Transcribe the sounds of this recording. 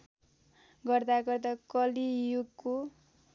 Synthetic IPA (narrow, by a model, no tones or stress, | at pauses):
ɡʌrd̪aɡʌrd̪akʌlijuɡko